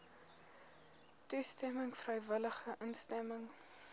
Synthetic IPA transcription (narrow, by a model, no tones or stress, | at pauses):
tustɛməŋfrəjvələχəʔənstɛməŋ